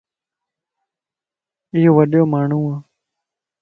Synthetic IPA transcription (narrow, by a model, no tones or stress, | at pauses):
ɪɦoːʋəɗjoːmaːɳ̤ũːãː